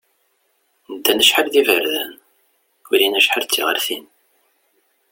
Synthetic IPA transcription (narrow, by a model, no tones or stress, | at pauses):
nəd̪ːænəʃħəlðivəɾðæ̰n | ʊɾinæʃħəɾt͡sːḭʁə̰ɾθin